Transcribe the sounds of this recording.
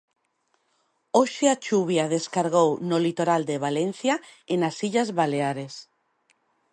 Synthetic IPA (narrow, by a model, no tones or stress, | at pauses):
oʃeat͡ʃuβ̞jaðeskaɾɣownolit̪oɾald̪eβ̞alen̟θjaenasiʎazβaleaɾes